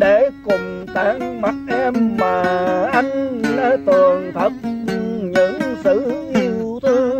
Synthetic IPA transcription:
ɗe˧˩kʊ˨˩ŋ͡m | t̪aː˧˩ŋma˨˩t̚ʔɛ˧mːaː˨˩ʔa˧jŋ̟nə˨˧˦t̪ɨ˨˩ənt̪ʰə˨˩t̚ɲɨ̰˧˥ŋsɨ˧˥ʔi˧wt̪ʰɨ˧˦

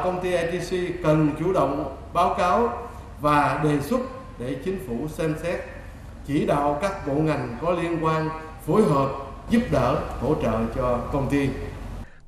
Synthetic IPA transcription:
kə˧wŋ͡mt̪i˧ʔɛ˧t̪i˧si˧kə˨˩nt͡ɕu˧˩ɗə̰˧˨wŋ͡m | ɓaː˨˦wkaː˨˦w | vaː˨˩ɗe˨˩swʊ˦˥t̚ | ɗe˧˩t͡ɕï˨˦ŋ̟fu˧˩sɛ˧msɛ˦˥t̚ | t͡ɕi˧˩ɗa̰ː˧˨wkaː˦˥k̚ɓo̰˧˨ŋa˨˩jŋ̟kɔ˨˦li˧ənkwaː˧n | fo˨˦jɦəː˨˩p̚ | zu˦˥p̚ɗəː˧˩h̪ʰo̰˧˩t͡ɕə̰ː˧˨t͡ɕɔ˧kə˧wŋ͡mt̪i˧

